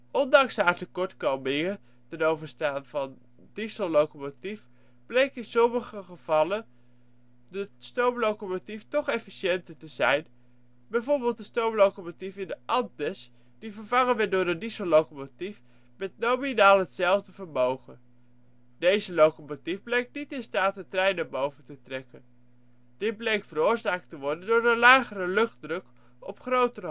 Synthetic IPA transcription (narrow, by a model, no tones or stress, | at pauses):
ʔɔndɑŋsɦaːɹtəkɔɹtkowmɪŋə | tɛnowvəɹstaːnv̥ɑn | disəllowkomotif | b̥lejkəɪnsɔməχəχəv̥ɑlə | dəstowmlowkomotiftɔχɛfiʃɛntəɹtəzɛjn | bɛjvʊːɹbɪːlˠt̚dəstowmlowkomotifɪndəʔɑntəs | d̥ivəɹvɑŋənʋɛdʊːɹəndisolowkomotif | mɛtnowminaːlˠɦətsɛlˠvdəvəɹmowχən | dejzəlowkomotifblejk̚nitɪnstaːtɦətrɛjnaɹbowvəntətrɛkən | d̥ɪt̚blejktfəɾʊːɹzaːk̚təʋɔɹdəndʊːɹənlaːχərəlɵχtdrɵk | ɔ̰pχrowtərə